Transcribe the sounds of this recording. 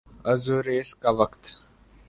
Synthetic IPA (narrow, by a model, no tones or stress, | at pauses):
ɐzuɾeːskaʋəkt̪